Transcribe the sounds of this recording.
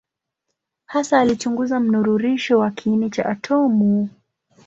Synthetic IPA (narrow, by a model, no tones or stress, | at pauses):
hasaːlit͡ʃuŋɡuzam̩nuɾuɾiʃɔwakʰiinit͡ʃaʔatʰɔmu